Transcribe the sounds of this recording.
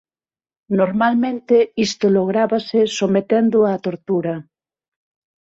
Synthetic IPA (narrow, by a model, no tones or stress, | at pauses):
noɾmalmẽnt̪eist̪oloɣ̞ɾaβasesomet̪end̪ʊat̪oɾt̪uɾɐ